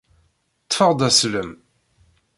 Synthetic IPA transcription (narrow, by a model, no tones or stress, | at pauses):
t̪ːfəʁd̪ˤæsləm